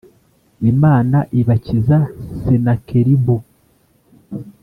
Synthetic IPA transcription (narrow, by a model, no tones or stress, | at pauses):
imaːnaʔiβacizasenakeɾibu